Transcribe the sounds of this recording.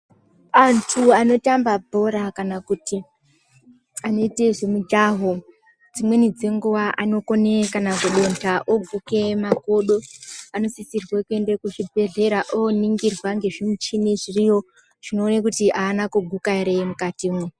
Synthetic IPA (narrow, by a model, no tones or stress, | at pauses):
antʰuano̞tambabʱo̞ɾakanakuti | ano̞ite̞ʐemud͡ʒaɦo | d͡zimwe̞nid͡ze̞ŋɡuʋaʔano̞konekanakuɗo̞ntʰaʔob͡vʱukemako̞ɗo̞ano̞sisirwekue̞ndekuʐibʱe̞ɮe̞ɾaʔoniŋɡirwaŋɡe̞ʐimut͡ʃineʐirijo̞ | ʐ̥ino̞ːnakutiʔaːnakuɡʱukaiɾemukatimwe